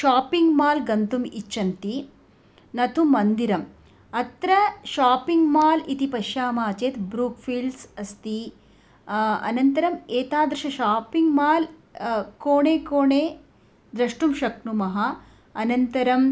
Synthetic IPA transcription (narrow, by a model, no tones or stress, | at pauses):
ʃaːpiŋɡmaːlɡɐnt̪umit͡ʃʃɐnt̪i | nɐt̪ʰumɐnd̪iɾɐm | ɐt̪ɾɐʃaːpiŋɡmaːlit̪ipɐʃjaːmaːt͡ʃeːt̪bɾuːkfʰiːlɖsɐst̪i | ɐ̰nɐnt̪ɐɾɐmeːt̪aːd̪ɾɐʃɐʃaːpiŋɡmaːl | koːɳeːkoːɳeː | d̪ɾɐʂʈumʃɐknumɐɦɐ | ɐnɐnt̪ɐɾɐm